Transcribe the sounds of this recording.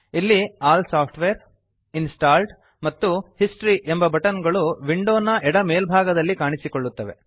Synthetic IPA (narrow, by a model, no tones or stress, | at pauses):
ilːiaːlsaːpʰʈʋeːɾ | insʈaːlɖ | mɐt̪ːuhisʈɾiʔembɐbɐʈɐnɡɐɭuʋiɳɖoːnːɐʔɛɽɐme̞ːlbʱaːɡɐd̪ɐlːikaːɳisikoɭːut̪ːɐʋe̞̰